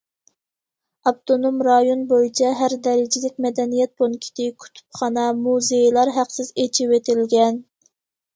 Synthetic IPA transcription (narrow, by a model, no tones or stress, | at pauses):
ɑp̚t̪onomɾɑjonbojit͡ʃʰɛɦæɾd̪ɛɾɪd͡ʒɪlɪkʲmɛd̪ɛnijɛt̪̚bonkʲʰi̥t̪ʰɪkʲʰy̥t̪ʰu̥pχɑnɑmuzejlˠɑɾɦæqsɪzet͡ʃʰiwet̪ʰɪlɡʲɛn